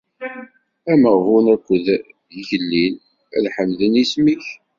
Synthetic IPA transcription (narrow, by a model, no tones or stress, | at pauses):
æməʁhunækʷːəð | ðʝəlːin | æ̰ðħəmðənismiç